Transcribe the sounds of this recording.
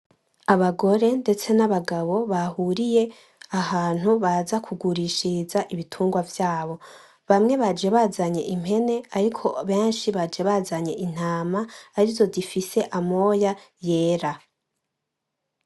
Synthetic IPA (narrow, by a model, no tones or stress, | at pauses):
aβaɡo̞ɾe̞nde̞t͡se̞naβaɡaβo̞βahuɾije̞ | ahaːn̥huβazakʰuɡuɾiʃizaʔiβitʰuːŋɡwavjaːβo̞ | βamŋe̞βad͡ʒe̞βazaɲe̞ʔim̥e̞ne̞aɾikʰo̞βe̞ːnʃiβad͡ʒe̞βazaɲe̞ʔin̥haːmaːɾivzo̞difise̞ʔamo̞jaje̞ːɾa